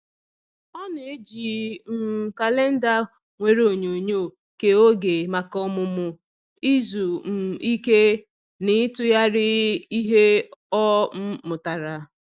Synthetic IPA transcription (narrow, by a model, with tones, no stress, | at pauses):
ɔ˦n˨e˦d͡ʒi˨m̩˨ka˨le˦n̩˦da˨ | ŋʷe˨ɾo˨ɲo˨ɲo˦˨ | ke˨o˦ɡe˨ma˨kɔ˦mʊ˨mʊ˨ | i˦zu˨m̩˨i˦ke˦ | nɪ˦tʊ˦ja˦ɾɪ˦i˦ɦe˦ɔ˦m̩˦mʊ˨ta˨ɾa˨